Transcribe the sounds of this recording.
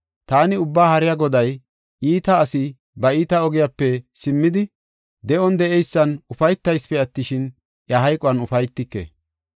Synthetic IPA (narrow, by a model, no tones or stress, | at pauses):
t̪aːnɪʊbːaːhɐɾɪjaɡɔd̪ɐj | ʔiːt̪ɐːsɪ | bɐiːt̪ɐɔɡɪjapːɛsɪmːɪd̪ɪ | d̪ɛʔɔnd̪ɛʔɛjsːɐnʊfɐjt̪ːɐjspɛɐt̪ːɪʃɪn | jɐɦɐjkʼɔɐnʊfɐjt̪ːɪkːḛː